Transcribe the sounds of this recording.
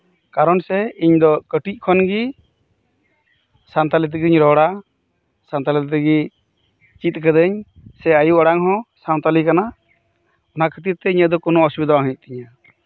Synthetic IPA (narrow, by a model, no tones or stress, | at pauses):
kaɾɔnsɛiɲd̪ɔkəʈic̚ˀkʰɔnɡi | sant̪alit̪̬ɛɡiɲɾɔɽa | sant̪alit̪t̪ɛɡi | t͡ʃit̪̚ˀkəd̪əɲ | sɛajuɔɽaŋɦɔ̃sant̪alikana | ɔnaʔkʰət̪ip̚t̪ɛiɲəd̪ɔkɔnɔɔsubid̪awaɦic̪̚ˀt̪iɲa